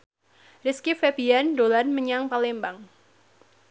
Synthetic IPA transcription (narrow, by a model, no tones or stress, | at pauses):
riskifepiandolanməɲaŋpalɛmbaŋ